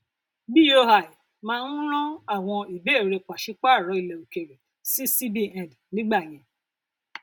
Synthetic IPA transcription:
bi˦jo˧ha˨i˨ | mãː˦˧n̩˦ɾ̃ɔ̃˦a˦˨w̃ɔ̃˧i˨be˨˦e˦˨ɾe˧˨k͡pa˨ʃi˨˦k͡pa˦˨ɾɔ˨˦i˦˨le˨u˨ke˨ɾe˨ | si˨˦si˦bi˦ɛ̃˨dnĩ˦ɡ͡ba˦˨j̃ɛ̃˧

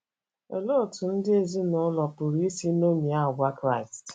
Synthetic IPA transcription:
o˨lo˦˨tʰʊ˨n̩˦dɪ˦e˦zi˦nʊ˨˦lɔ˨pʊ˨ɾi˦si˦no˦mi˨a˦˨ɡʷa˦kɾa˦˨i˨st

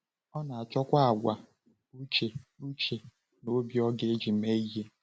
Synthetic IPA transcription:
ɔ˦na˨a˨t͡ʃɔ˦kʷa˦a˨ɡʷa˨ | u˦t͡ʃe˨u˦t͡ʃe˨ | no˦bjɔ˦ɡe˦d͡ʒi˨me˦i˦ɦe˦

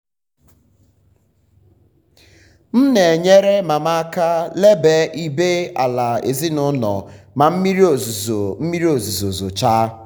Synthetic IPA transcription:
m̩˦ne˨ɲe˦ɾe˦ma˨ma˦ka˦le˦be˦i˦be˦a̰˨la˨ḛ˨zi˦nʊ˦nɔ̰˨ | ma˨m̩˦mi˦ɾo˨zm̩˦mi˦ɾi˦o˨zu˨zo˨zo˨t͡ʃa˦

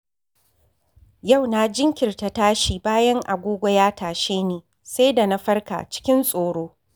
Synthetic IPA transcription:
ja˦˨wna˨d͡ʒɪ˦ŋkʲɪ˨rta˨taː˦ʃiː˨baː˦jɐ˦ŋʔa̰˨ɡʷoː˦ɡʷɔ˦jaː˦taː˨ʃeː˦neː˨ | sa˦jda˨na˦ɸɐ˦rka̰˨t͡ʃɪ̥˦kʲɪ˦nsʼoː˨ɽoː˦

